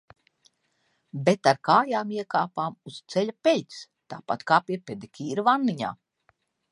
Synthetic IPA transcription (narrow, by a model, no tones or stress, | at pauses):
bet̪aɾkaːjaːmiɛkaːpaːmust̪sɛʎʲapʲelʲt̪s | t̪a̰ːpat̪kaːpʲiɛpʲed̪ikʲʰiːɾuvanːiɲa̰ː